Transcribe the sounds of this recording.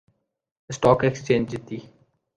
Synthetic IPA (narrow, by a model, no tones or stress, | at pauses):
sʈɔːkɛkst͡ʃẽːɲd͡ʒdɪt̪iː